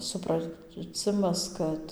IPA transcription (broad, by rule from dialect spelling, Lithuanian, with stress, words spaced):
sʊprɐˈt͡sʲɪmɐs ˈkɐt